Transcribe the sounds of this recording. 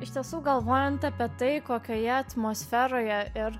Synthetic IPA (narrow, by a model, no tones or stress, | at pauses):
ɪʃt̪ʲiɛsuːɡɐlˠʋoːjɛnt̪ɐpʲiɛt̪ɐɪkoːkʲoːjɛɐt̪moːsʲfʲɛːɾoːjɛɪɾ